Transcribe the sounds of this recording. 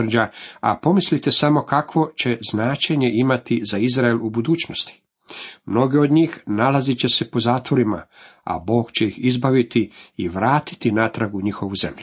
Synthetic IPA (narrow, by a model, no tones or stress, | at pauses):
r̩d͡ʑaa̰po̞mislit̪e̞samo̞kakʋo̞t͡ɕe̞znaːt͡ʃe̞ɲe̞ʔimat̪izaizɾaelubud̪uːt͡ɕnost̪i̥ | mno̞ɡeo̞d̪ɲiːxnalazit͡ɕe̞se̞po̞zaːt̪ʋo̞ɾima̰a̰bo̞ːɡt͡ɕe̞jixizbaʋit̪iiʋɾaːt̪i̥t̪inat̪ɾaɡuɲixo̞ʋuze̞mʎu